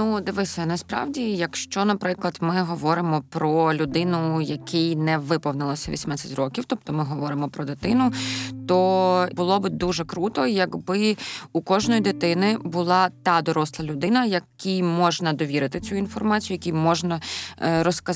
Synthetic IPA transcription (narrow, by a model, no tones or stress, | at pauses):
nud̪ɪʋɪsʲɐnɐspɾɑ̰wdʲijɐkʃt͡ʃɔnɐpɾɪklˠɐd̪mɪɦɔʋɔɾɪmɔpɾɔlʲʊd̪ɪnʊjɐkʰɛjnɛʋɪpɔwnɪlˠɔsʲɐʋʲḭsʲmnat͡sʲːɐtʲrɔkʲiwt̪ɔp̚t̪ɔmɪɦɔʋɔɾɪmɔpɾɔd̪ɪt̪ɪnʊt̪ɔbʊlˠɔbɨd̪uʒɛkɾut̪ɔjɐɡbɪukɔʒnɔjid̪ɪt̪ɪnɪbʊlˠɑt̪ɑd̪ɔɾɔslˠɐlʲʊd̪ɪnɐjɐkʲijmɔʒnɐd̪ɔʋʲiɾɪt̪ɪt͡sʲuinfɔrmɑt͡sʲijʊjɐkʲijmɔʒnɐɾɔskɐ